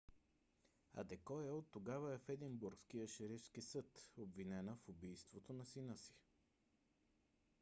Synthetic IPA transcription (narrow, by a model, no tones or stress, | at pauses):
ɐ̰d̪ɛkɔɛot̪ːoɡavəɛfɛd̪imbuɾkskiəʃɛɾifskisɤt̪obvinɛnəfubijst̪vot̪onɐsinəsi̥